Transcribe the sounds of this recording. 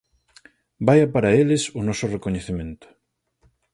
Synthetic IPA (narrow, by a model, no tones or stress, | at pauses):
bajapaɾaelesʊnɔsorekoɲeθemẽnt̪ʊ̥